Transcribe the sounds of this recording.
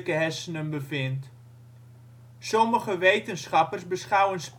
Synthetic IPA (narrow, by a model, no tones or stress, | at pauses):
kəɦɛsənənbəfɪnt | sɔməχəʋejtənsχɑpərsbəsχawənsp